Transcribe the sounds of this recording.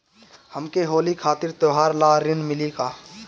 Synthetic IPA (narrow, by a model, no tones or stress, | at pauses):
həmkeɦoːlikʰaːt̪ɪɾt̪oɦaːɾlaːɾɪnmɪlikaː